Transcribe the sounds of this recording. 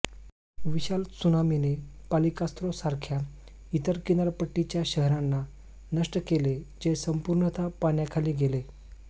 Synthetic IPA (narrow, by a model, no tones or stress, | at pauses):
ʋiɕalsunaminepalikast̪ɾosaɾkʰja | it̪əɾkinaɾpəʈːit͡ɕjaɕəɦɾanːa | nəʂʈəkeled͡ʑesəmpuɾɳət̪ʰapaɳjakʰaliːɡele